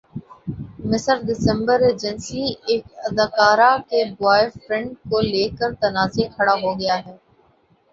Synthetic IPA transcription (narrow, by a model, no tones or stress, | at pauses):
mɪsəɾɖɪsɛ̃mbəɾeːd͡ʒənsieːkɐd̪aːkaːɾakebaːɪfɾɛ̃ɳɖ̚koleːkəɾt̪ɐnaːzekʰɐɽaɦoɡɐjaɦɛː